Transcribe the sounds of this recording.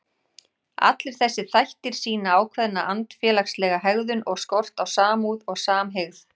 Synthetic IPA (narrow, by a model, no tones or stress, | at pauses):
a̰t̪lɪɾ̥θɛsːɪθajht̪ɪɾ̥siːnaaːwkʰvɛðnaʔant̪fjɛːlakslɛːɣaɦɛɣðʏnʔɔɣskɔr̥t̪awsaːmuːðɔɣsaːmɦeɣθ